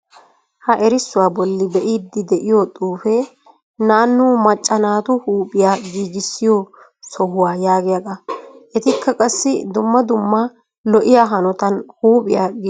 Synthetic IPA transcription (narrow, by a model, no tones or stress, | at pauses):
hɐʔɛɾɪsːʊwaːbɔlːɪbɛʔiːd̪ːɪd̪ɛʔɪjot̪ʼuːfɛ | naːnːuːmɐt͡ʃʼːɐnaːt̪ʊhuːpʼɪjaːɡiːɡɪsːɪjo | sɔhʊwaːjaːɡɪjɐɡ̪ɐʔɛt̪ɪkʰːɐkʼɐsːɪd̪ʊmːɐd̪ʊmːɐ | lɔʔɪjaːɦɐnɔt̪ɐnhuːpʼɪ̰jaːɡ